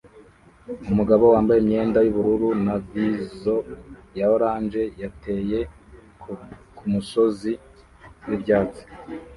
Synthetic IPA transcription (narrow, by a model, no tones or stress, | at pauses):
umuɡaβo̞waːmbajemɲe̞ːndajuβuɾuɾunavizo̞jaoɾaːnd͡ʒe̞jate̞ːje̞ | kumuso̞zi | wibɟaːt͡si̥